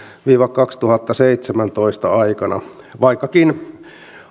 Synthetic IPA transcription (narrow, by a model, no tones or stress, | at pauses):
ʋiːʋɑkkɑkst̪uhɑt̪ːɑseit̪semænt̪oist̪ɑ̰ɑikɑnɑ̰ | ʋɑikːɑkin